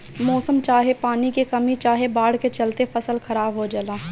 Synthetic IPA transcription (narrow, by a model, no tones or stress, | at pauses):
mɔːsəmt͡ʃaːɦepaːnikekɐmit͡ʃaːɦebaːɽ̤ket͡ʃɐlt̪efʰɐsəlxʰɐɾaːbɦod͡ʒəlaː